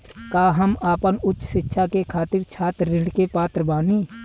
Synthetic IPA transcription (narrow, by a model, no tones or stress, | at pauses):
kaːɦəmaːpənʊtːʃʃɪtːʃʰakekʰaːt̪ɪɾt͡ʃʰaːt̪ːɪ̃ɖkepaːt̪ɾəbaːniː